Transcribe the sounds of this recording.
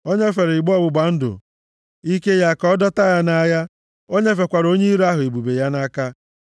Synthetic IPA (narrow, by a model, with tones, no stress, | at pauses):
o˦ɲe˦fe˨ɾi˨ɡ͡bɔ˦bʊ˨ɡ͡ba˨n̩˦dʊ̰˨ | i˦ke˦ja˦kɔ˦dɔ˦ta˦ja˦na˦ja˦ | o˦ɲe˦fe˨kʷa˨ɾo˦ɲe˦i˦ɾa˦ɦʊ˨e˨bu˨be˨ja˦na˦ka˦